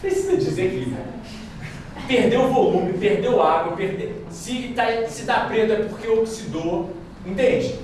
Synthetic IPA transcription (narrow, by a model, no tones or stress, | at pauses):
pɾesizɐd͡ʒizekizɛ | pehd̪ewʊvolũmɪpehd̪ewaɡwɐpeɦd̪e | siɡɪt̪asɪd̪apɾed̪ɐpoχkeoksid̪o | ĩnd̪et͡ʃ